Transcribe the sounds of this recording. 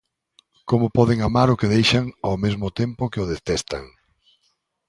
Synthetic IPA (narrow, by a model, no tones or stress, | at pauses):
komʊpɔðeŋamaɾʊkɪðejʃaŋawmezmʊt̪empʊkɪʊðest̪ɛst̪a̰ŋ